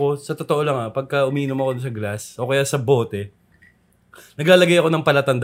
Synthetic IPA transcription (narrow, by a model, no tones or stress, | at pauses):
o̞sɐt̪ot̪oʔo̞lɐŋapɐɡ̚kɐʔʊmiːnomɐko̞d̪sɐɡlasʔo̞kɐjaːsɐbo̞ːt̪ɛ | nɐɡlaːlɐɡajɐko̞nɐŋpɐlat̪ɐnd̪